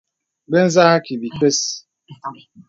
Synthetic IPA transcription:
be˦n̩˦za˦a˦ki˨bi˨ke˦s

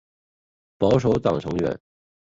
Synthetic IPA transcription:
pɑ˧˥ʊʂ̬o˧˥ʊt̪ɑ̰˨˩ŋʈ͡ʂʰɤ˧˥ŋɥɛ̰˧˥˦n

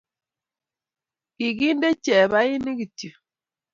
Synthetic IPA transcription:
ki˨ɡi˦nde˦t͡ʃɛ˨βa˦i˦ni˦ki˨tu˨

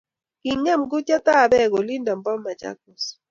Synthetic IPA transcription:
i˨ŋɛ˦˨mɡʊ˦t͡ʃa˦ta˦˨bɛ˦˨ɡo˨li˦nda˨mbɔ˦mːa˨t͡ʃa̰˦k̚u˨s

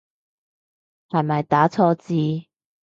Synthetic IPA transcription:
hɐ˨jmɐ˨˩jt̪aː˨˥t͡sʰɔː˧t͡siː˧

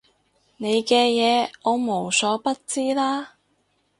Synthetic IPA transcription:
ne˨˧jkɛː˧jɛː˨˧ɔː˨˧mo˨˩wsɔː˨˥pɐ˥t̚t͡siː˥laː˥

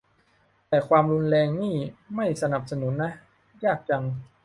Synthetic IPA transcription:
t̪ɛː˨˩kʰwaː˧mɾu˧nlɛː˧ŋniː˥˩ma˥˩jsa˧na˨˩p̚sa˧nu˩˦nːa˦˥ | jaː˥˩k̚t͡ɕa˧ŋ

